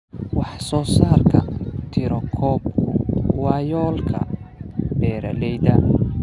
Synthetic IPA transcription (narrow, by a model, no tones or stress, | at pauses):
wɑħsɔːsaːrkʰɐt̪ʰɪɾɔkʰɔːb̚kʰʊwɑːjɔːlkʰɐ̰b̥ɛːɾɐ̰lɛjd̪ɐ